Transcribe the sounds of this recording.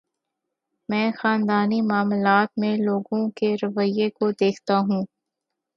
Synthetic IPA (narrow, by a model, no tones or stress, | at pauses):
mɛ̃ːxaːnd̪aːnimaːmlaːt̪mẽloːɡõkeɾɐʋəjekod̪eːkʰt̪aɦũː